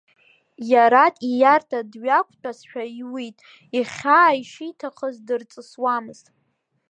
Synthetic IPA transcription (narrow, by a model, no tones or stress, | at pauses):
jaɾatʼijartʰadɥakʷʰʼt͡pʼasħᶣaiwitʼ | iχʲaːiʃitʰaχəzdɨrt͡sʼɨswamɨz̥tʼ